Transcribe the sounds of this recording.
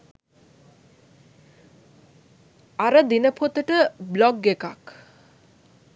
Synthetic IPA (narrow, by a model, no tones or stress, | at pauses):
aɾəd̪inəpʰot̪əʈəblɔɡeka̰k